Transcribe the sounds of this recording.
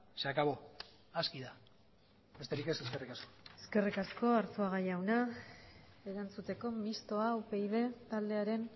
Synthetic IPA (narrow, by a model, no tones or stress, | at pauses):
seakaβo̞ | askiða | be̞st̪e̞ɾike̞seske̞rikasko̥eske̞rikasko̞aɾt͡suaɣ̞ajawna | eɾant͡sut̪e̞ko̞mist̪o̞aupe̞jðe̞t̪ald̪e̞aɾe̞n